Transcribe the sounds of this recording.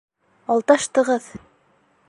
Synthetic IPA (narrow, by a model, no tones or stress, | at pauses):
ɑlˠt̪ɑʃt̪ɤ̆ʁɤð